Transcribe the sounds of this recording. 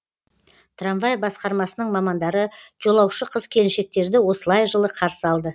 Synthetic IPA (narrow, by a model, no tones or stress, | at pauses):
t̪ʰranvajbɑsqɑɾmɑsənəɴmɑmɑnd̪ɑɾəʒ̥o̞lˠɑwʃəqʰəz̥kʲʰe̞lɪnʃe̞k̚t̪e̞ɾd̪ɪwo̞səlˠɑjʒəlˠəqʰɑɾsəɑlˠd̪ə